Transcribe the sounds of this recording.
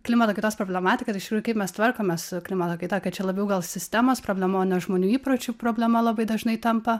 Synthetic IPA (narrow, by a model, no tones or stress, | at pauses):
klʲɪmɐt̪okɐɪt̪oːspɾoːblʲɛmɑːt̪ʲɪkɐt̪ɪʃt̪ʲɪkɾuːʊkɐɪpmʲɛst̪ʋɐrkoːmʲesklʲɪmɐt̪oːkɐɪt̪ɑkɐtt͡ʃʲɛlˠɐbʲɛʊɡɐlˠsʲɪsʲt̪ʲæmoːspɾoːbʲlʲɛmoːnʲɛʒmoːnʲuːiːpɾot͡ʃʲuːpɾoːbʲlʲɛmɐlˠɐbɐɪd̪ɐʒnɐɪt̪ɐmpɐ